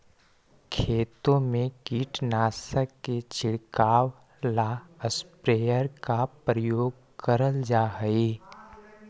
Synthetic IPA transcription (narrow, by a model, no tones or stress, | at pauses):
kʰeːt̪õmẽkiːʈnaːsəkːet͡ʃɪɽkaːw | laəspɾeːjəɾkapɾəjoːɡ | kəɾəld͡ʒaːɦəiː